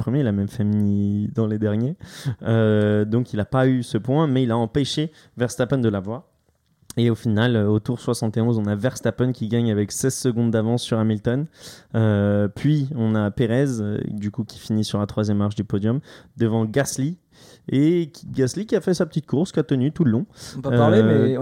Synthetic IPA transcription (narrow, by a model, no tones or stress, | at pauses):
pχəmjeilamɛmfɛmnid̪ɑ̃led̪ɛʁnjeød̪ɔ̃kilapaysəpwɛ̃mɛilaɑ̃peʃe | vɛʁst̪apɔnd̪əlavwaʁ | eofinaløot̪uʁswasɑ̃t̪eɔ̃zɔ̃navɛʁst̪apɔnkʲiɡaɲavɛksɛzsəɡɔ̃d̪d̪avɑ̃sːyʁamilt̪ɔnøpɥiɔ̃napeʁɛz̰d̪ykukʲi̥finisyʁlat̪χwazjɛmːaʁʃd̪ypɔd̪jɔmd̪əvɑ̃ɡasli | eɡaslikʲiafɛsapə̥t̪it̪̚kuʁskiat̪ənyt̪uləlɔ̃paaʁleɛ